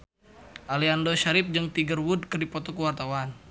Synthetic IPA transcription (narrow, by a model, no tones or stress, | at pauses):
ʔaliandoʃaɾɪp̚d͡ʒɨŋt̪iɡərwud̚kərdipɔt̪ɔkəwart̪awan